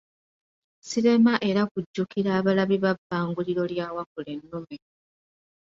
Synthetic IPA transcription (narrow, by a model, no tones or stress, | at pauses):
siɾe̞maʔe̞ɾakuɟːukiɾaːβalaβiβabːaːŋɡuliɾo̞ljaːwakule̞nːume